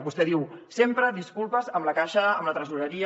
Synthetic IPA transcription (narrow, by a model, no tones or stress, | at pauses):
bust̪ɛðiwsempɾəd̪iskulˠpəzəmləkaʃəːmlət̪ɾəzuɾəɾi